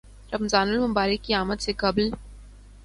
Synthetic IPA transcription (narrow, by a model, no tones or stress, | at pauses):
ɾɐmzaːnʊlmʊbaːɾəkːiaːmət̪sekɐbl